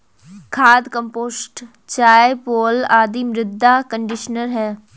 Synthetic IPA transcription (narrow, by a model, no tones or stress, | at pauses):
kʰaːd̪kəmpoːsʈ | t͡ʃaːepoːlaːd̪iːmɾɪd̪ʱːaːkəɳɖɪʃnəɾɦɛː